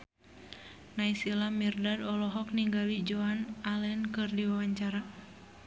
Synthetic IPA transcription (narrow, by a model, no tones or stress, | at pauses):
naisilamirdadɔlɔɦɔk̚niŋɡalid͡ʒɔanalɛnkɨrdiwawaɲt͡ʃaɾa